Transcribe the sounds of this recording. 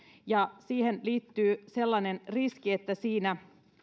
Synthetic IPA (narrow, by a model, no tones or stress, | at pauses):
jɑsiːhenliːt̪ːyːse̞lːɑnenriskiet̪ːæsiːnæ